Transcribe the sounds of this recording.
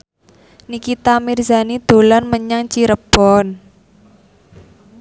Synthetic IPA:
nikit̪amirza̤nid̪̥o̤lanməɲaŋt͡ʃiɾəb̥ɔn

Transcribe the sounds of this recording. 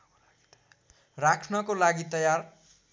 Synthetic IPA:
rakʰnʌkolaɡit̪ʌjar

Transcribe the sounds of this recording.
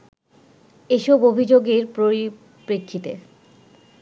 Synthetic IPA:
eʃɔbobʱid͡ʑoɡeɾpɾoɾi | pɾekʰːit̪ḛ

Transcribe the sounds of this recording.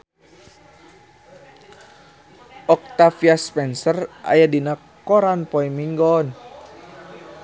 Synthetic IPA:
ʔɔk̚t̪afiaspɛnsərʔa̰jadina | kɔɾanpɔimiŋɡɔn

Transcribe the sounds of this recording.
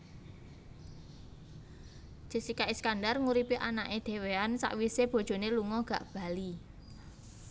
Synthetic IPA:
ʒ̥i̤sikaʔiskandarŋuɾipiʔanaʔed̪̥e̤weansa̰ʔwiseb̥o̤d̥ʒ̥o̤neluŋɔɡ̥a̤ʔb̥a̤li

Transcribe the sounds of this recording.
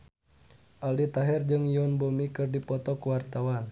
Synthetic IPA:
ʔaldit̪aɦɛrd͡ʒɨŋjɔnbomikɨrdipɔt̪ɔkuwart̪awan

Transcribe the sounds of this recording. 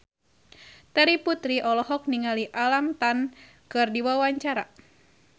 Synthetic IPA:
t̪ɛɾiput̪ɾiʔɔlɔɦɔk̚niŋaliʔalamt̪an | kɨrdiwawaɲt͡ʃaɾa

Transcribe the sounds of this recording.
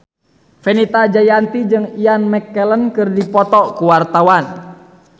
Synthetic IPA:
fɛnit̪ad͡ʒajant̪id͡ʒɨŋianmɛkːɛlənkɨrdipɔt̪ɔkuwart̪awan

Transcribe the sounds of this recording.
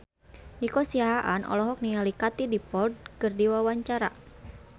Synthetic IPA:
nikɔsiaɦaʔanʔɔ̰lɔɦɔk̚nialikat̪idipɔld̚kɨrdiwawaɲt͡ʃaɾa̰

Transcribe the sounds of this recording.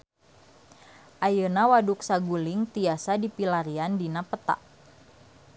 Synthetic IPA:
ʔajənawaduk̚saɡulɪŋt̪iasadipilaɾiandinapət̪a̰ʔ

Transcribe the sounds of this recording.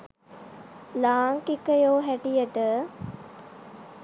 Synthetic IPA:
laːŋkikəjoːɦæʈijəʈə

